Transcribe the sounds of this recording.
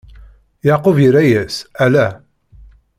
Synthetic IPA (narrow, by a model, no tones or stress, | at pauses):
jaqoviɾæjæsælæ